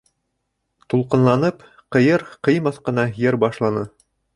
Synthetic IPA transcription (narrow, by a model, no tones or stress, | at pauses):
t̪ulˠqɤ̆nlˠɑnɤp | qɤ̆jɤɾqɤ̆jmɑθqɤ̆nɑjɘɾbɑʃlˠɑnɤ